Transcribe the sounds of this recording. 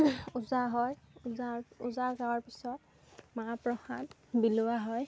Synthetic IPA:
uzaɦɔjzauzaɡawaɹpisɔt̚ | mapɹɔxat | bilʊwaɦɔj

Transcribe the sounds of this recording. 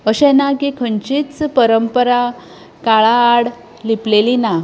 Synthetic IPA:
əɕɛ̃nakikʰəɲt͡ɕiːt͡spəɾəmpəɾa | kaɭaːɽ | liplelina

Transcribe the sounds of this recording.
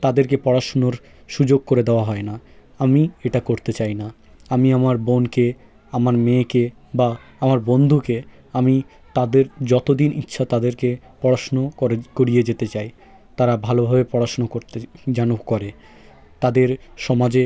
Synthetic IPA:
t̪ad̪eɾkepɔɽaʃonoɾ | ʃud͡ʑoɡ̚koɾed̪eoaɦɔena | amieʈakoɾt̪et͡ɕajna | amiamaɾbonke | amaɾmeke | ba | amaɾbond̪ʱuke | ami | t̪ad̪eɾd͡ʑɔt̪od̪inʔḭtːɕʰat̪ad̪eɾke | pɔɽaʃonokoɾied͡ʑet̪et͡ɕaj | t̪aɾabʱalobʱabepɔɽaʃonokoɾt̪ed͡ʑanokoɾe | t̪ad̪eɾʃɔmad͡ʑe

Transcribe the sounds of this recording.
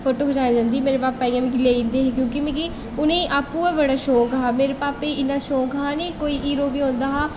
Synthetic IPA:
pʰoːʈoːɦoːd͡ʒaːnaːd͡ʒãːnd̪iːmeːɾeːpaːpːaːiːãːmĩkileːĩnd̪eːɦːkjõːkimẽːki | ʊnẽːʔaːpːuːaːbəɽaːʃoːkaːmeːɾeːpaːpeːɪnːãːʃoːkɦaːneːkoːiːʔiːɾoːbiːõːnd̪aːɦaː

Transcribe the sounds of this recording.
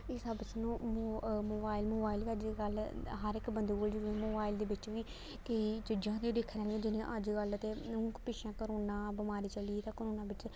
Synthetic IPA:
ɪsəbsnũːmoːbaːɪlmoːbaːɪld̪eəd͡ʒɡəlɦəɾɪkbənd̪eːkoːld͡ʒɪɾmoːbaːɪld̪eːbɪt͡ʃʋiː | kəiːd͡ʒɪd͡ʒãːt̪ẽːd̪eːkʰːɾãːlẽːd͡ʒɪnẽːʔəd͡ʒɡələt̪eːũːkpɪʃãːkəɾoːnãːbəmaːɾiːt͡ʃəliːt̪ãːkəɾoːnãːbɪt͡ʃ

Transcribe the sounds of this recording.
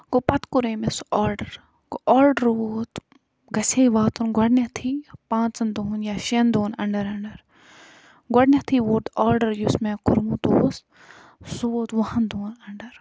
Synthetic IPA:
ɡopɐt̪kuɾeːmesaːɾɖɐɾ | koaːɾɖəɾoːt̪ | ɡɐseːʋaːt̪unɡɐɖnɐt̪ʰipãːnt͡sɐnd̪oːnjaːʃind̪oːnɐɳɖɐɾɐɳɖɐɾ | ɡɐɖnʲɐt̪ʰiːʋoːɾt̪aːɾɖɐɾjusmẽːkuɾmũt̪oːs | suot̪ʋɐɦɐnd̪oːnɐɳɖɐɾ

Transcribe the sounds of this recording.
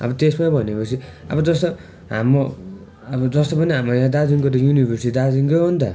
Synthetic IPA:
ʌ̰bʌt̪esmaibʱʌnepʌt͡sʰiʌ̰bʌd͡zʌst̪ʌ | ɦa̰mo | ʌbʌd͡zʌst̪ʌpʌniɦamɾʌjãd̪ad͡ziŋkot̪ʌjunibʱʌrsid̪ad͡ziŋkoɦont̪ʌ

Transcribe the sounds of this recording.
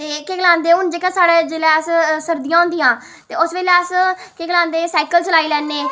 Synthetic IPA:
t̪eːkeːɡəlãːnd̪eːʊnd͡ʒeːkãsaːɽeːd͡ʒeːleːəssəɾd̪ijãːʊ̃ːnd̪ijãː | t̪eːʊsʋeːleəskeːɡəlãːnd̪eːsɛːkəlt͡ʃəlaːiːlɛːnːeː

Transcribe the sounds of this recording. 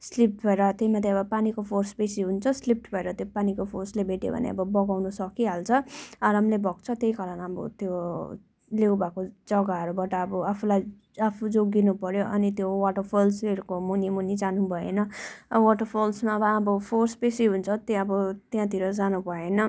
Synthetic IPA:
slip̚ʈbʱʌeɾʌt̪jeimat̪eʌbʌpanikopʰorspesiɦunt͡sʰʌslip̚ʈbʱʌeɾʌt̪jopanikopʰorslebʱeʈjo̰bʱʌ̰nḛʌ̰bʌbʌɡawnusʌkiɦalt͡sʰʌaɾamlebʱʌk̚t͡sʰʌt̪eikʌlanʌbʌ̰t̪jo | lewbakod͡zʌɡaɦʌɾubaʈʌːbʌapʰulaj | apʰud͡zoɡinupʌɾjoʔʌnit̪jowaʈʌrpʰolseɾukomunimunid͡zanubʱʌḛnʌʌwaʈʌpʰolsmaʌbʌʌbʌpʰorspesiɦunt͡sʰʌt̪eʌbʌt̪jãt̪ʰiɾʌd͡zanubʱʌenʌ

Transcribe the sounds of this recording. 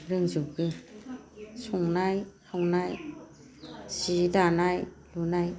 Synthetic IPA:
ɾɯŋzɯp̚ɡɯ | sɔŋnajhawnaj | sidanaj | lunaj

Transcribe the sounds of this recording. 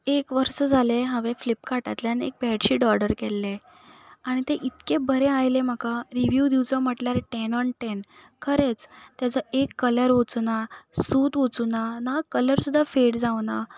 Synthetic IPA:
ekʋəɾsəd͡zʱaleɦəʋeflipkaʈa̰t̪ljanek̚bʱɛɽɕiːɖɔɾɽəɾkɛlːe | aɽ̃it̪eʔit̪kẽbəɾẽajlem̤əkaɾiʋjud̪iwt͡səm̤əʈljaɾeʈenɔɳʈen | kʰəɾet͡st̪jat͡səekːələɾʋot͡sunasuːt̪ʋot͡sunanakələɾsud̪ʱːafeʈd͡zawna

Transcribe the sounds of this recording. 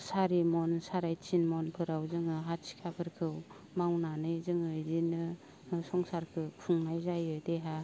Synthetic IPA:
saɾimɔnsaɾajt͡ʃʰinmɔnpʰɯɾawzɯŋɯɦatsʰi̥kʰapʰɯɾkʰɯw | mawnanɯjzɯŋɯzinɯ | sɔŋsaɾkʰɯpʰuŋnajzajɯdeɦa

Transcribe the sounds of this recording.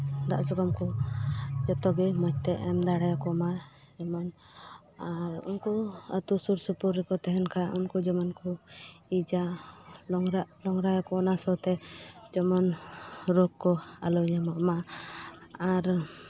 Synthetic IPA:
d̪aʔsɔɾɔmkɔ | d͡ʒɔt̪ɔɡɛmɔt͡ʃt̪ɛʔɛmd̪aɽajakɔma | ɛmɔn | aɾṵnkuə̰t̪usuɾsupuɾːɛkɔt̪ɛɦɛnkaunkud͡ʒɔmɔnkuid͡ʒalɔŋɾaʔlɔŋɾajakɔɔnasɔt̪ɛd͡ʒɔmɔnɾɔkkːɔa̰lɔɲamɔʔma | aɾ

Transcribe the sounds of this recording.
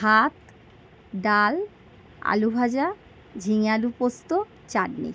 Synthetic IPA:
ɦat̪ | ɖal | a̰lubʱad͡ʑa | d͡ʑʱiŋalupost̪o | t͡ɕaɖnḭ

